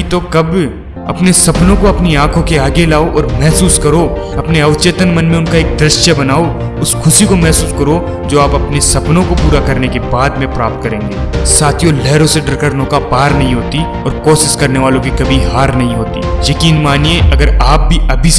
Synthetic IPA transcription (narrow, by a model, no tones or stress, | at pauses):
it̪okɐb | ɐ̰pnesɐpnõkoɐpniãːkʰõkeaːɡelaːoʔɔːɾmɛɦsuːskɐɾo | ɐpneɐʋt͡ʃeːt̪ənmɐnmẽʊnkaeːk̚d̪ɾɪʃjəbɐnaːo | ʊskʰʊsikomɛɦsuːskɐɾo | d͡ʒoːaːpɐpnesɐpnõkopuːɾakɐɾnekebaːd̪mẽpɾaːp̚t̪̚kɐɾẽːŋɡeːsaːt̪ʰijolɛːɾõseɖəɾkəɾnõkapaːɾnɐɦĩɦoːt̪i | ɔːɾkɔːʃɪskɐɾneʋaːlõkikɐbʱiɦaːɾnɐɦĩɦoːt̪ḭːjɐkiːnmaːnijeɐɡəɾaːp̚bʱiʔɐbʱis